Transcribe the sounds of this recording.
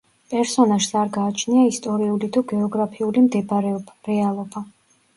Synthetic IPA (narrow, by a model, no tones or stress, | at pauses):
pʼɛɾsɔnaʃsaɾɡaːt͡ʃʰniaist̪ʼɔɾiulit̪ʰuɡɛɔɡɾapʰiulimd̪ɛbɾɛɔbɾɛalˠɔba